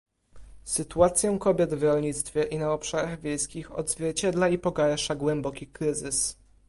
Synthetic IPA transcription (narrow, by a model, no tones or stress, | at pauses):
sɘt̪uat̪sʲjɔ̃w̃kɔbʲjɛd̪vɾɔlɲit̪st̪fʲjɛʔinaɔpʂaɾaɣvʲjejskʲixɔ̰d̪zvʲjɛɾt͡ɕɛd̪laipɔɡaɾʂaɡwɛmbɔkʲikɾɘzɘs